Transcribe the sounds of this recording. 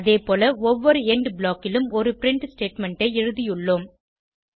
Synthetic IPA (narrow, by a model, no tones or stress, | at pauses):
ɐðeːpoːlɐɔʋːɔɾɯɛɳɖbɪlaːkːɪlɯmɔɾɯpɪɾɪɳʈsʈeːʈmɛɳʈɐɪɪɻɯðɪjɯɭːoːm